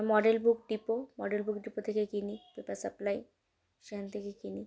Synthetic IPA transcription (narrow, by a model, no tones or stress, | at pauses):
mɔɖelbʱukɖipomɔɖelbukɖipot̪ʰekekinipepaɾsaplaj | ʃekʰant̪ʰekekini